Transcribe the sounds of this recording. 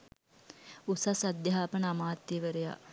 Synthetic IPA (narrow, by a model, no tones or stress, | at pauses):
usasad̪jɐɦaːpənəamaːt̪ːiʋəɾeja̰